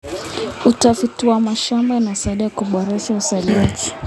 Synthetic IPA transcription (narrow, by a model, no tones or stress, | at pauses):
utafutiwamaʃambainasaiɗajakuɓɔɾɛʃausaliati̥